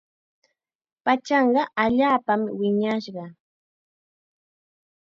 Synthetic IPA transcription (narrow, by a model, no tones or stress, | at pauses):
pat͡ʃɑɴɢɑaʎaːpamwɪɲaʃɢɑ